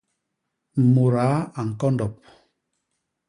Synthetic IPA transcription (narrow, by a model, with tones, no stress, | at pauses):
m̩˨mo˨ɾaː˨˦a˨ŋ̩˨kɔ˦ndɔ˨p̚